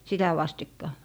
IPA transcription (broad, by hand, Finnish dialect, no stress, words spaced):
sitæ ʋɑstikːɑ